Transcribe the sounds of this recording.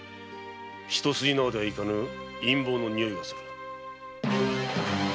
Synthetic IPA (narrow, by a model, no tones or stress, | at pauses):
çi̥t̪o̞sɨinaːd̪eaikanɯĩmbo̞ːnoɲ̟ioimasḁɾ